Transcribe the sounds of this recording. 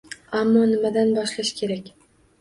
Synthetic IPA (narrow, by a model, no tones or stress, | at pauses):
amːɒnɪmad̪anbɒʃlaʃkʲʰe̞ɾakʲ